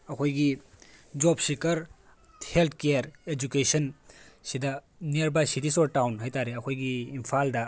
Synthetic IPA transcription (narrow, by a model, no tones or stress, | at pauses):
ɐkʰojɡi | d͡ʒoːbsikɐɾ | helt̪̚ʰkejəɾed͡ʒukeʃənsid̪a | neɾbasiʈisoːɾʈaːwnɦɐjt̪aːɾeɐkʰojɡiːmfʰaːld̪a